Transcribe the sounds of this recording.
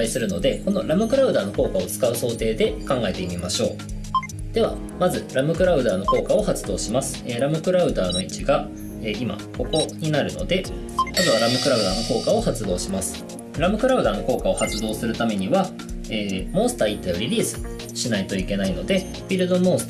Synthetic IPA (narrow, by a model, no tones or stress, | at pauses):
isɨɾɯ̟no̞d̪e̞ko̞no̞̰ɾamɯ̟kɯ̟ɾaɯ̟d̪aːno̞ko̞ːkao̞t͡sɨ̥kaɯ̟so̞ːt̪e̞ːd̪e̞kãŋɡae̞t̪e̞imʲimaɕo̞ː | d̪̥e̞βa̰ | mazɨɾamɯ̟kɯ̟ɾaɯ̟d̪aːno̞ko̞ːkao̞hat͡sɨd̪o̞ːɕimasɨ̥eɾamɯ̟kɯ̟ɾaɯ̟d̪aːno̞it͡ɕiɡa | e̞ːima̰ko̞ko̞ɲ̟inaɾɯ̟no̞̰d̪e̞ | azɨβaɾamɯ̟kɯ̟ɾaɯ̟d̪aːno̞ko̞ːkao̞hat͡sɨd̪o̞ːɕimasɨ̥ | ɾamɯ̟kɯ̟ɾaɯ̟d̪aːno̞ko̞ːkao̞hat͡sɨd̪o̞ːsɨɾɯ̟t̪ame̞ɲ̟iβa | eːmõ̞sɨ̥t̪aːit̪ːejoɾʲiɾʲiːsɨ̥ | ɕinait̪o̞ike̞naino̞d̪e̞ | bʲiɾɯ̟d̪o̞mõ̞s